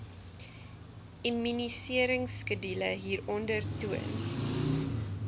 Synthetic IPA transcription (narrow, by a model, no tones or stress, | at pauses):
imynisiəɾəŋskədiləɦiːrɔndərtuə̰n